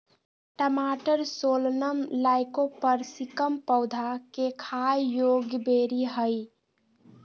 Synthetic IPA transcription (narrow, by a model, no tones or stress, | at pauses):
ʈəmaʈəɾsolnəmlaɪkopəɾsikəmpəwd̪ʱakekʰajjoɡjəbeɾiɦəjɪ